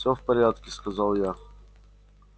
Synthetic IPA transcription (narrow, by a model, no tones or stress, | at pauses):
sʲɔfpɐɾʲjat̪kʲiskɐzalˠjax